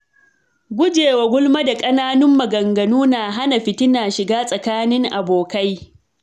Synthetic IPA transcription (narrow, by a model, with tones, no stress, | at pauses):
ɡʷʊ˦d͡ʒeː˨wa˨ɡʷʊ˦lma˦da˨kʼɐ˦naː˦nʊ˦mːɐ˨ɡɐ˨ŋɡɐ˨nuː˦naː˨ɦa˦na˨ɸɪ˨tɪ˦naː˨ʃɪ˨ɡaː˦sʼɐ˨kaː˦nɪ˦ŋʔa˨boː˨ka˦j